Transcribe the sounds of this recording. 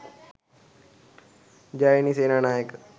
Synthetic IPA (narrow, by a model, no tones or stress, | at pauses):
d͡ʒaːiniseːnanaːjək